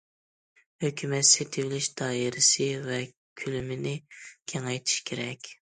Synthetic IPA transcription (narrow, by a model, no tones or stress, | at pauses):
høkʲʰymɛt̪set̪ʰɪvɪlɪʃd̪ɑːjiɾɪsɪvɛ | kʲʰylymɪnɪkʲʰɛŋɛjt̪ʰi̥ʃkʲʰeɾɛkʲ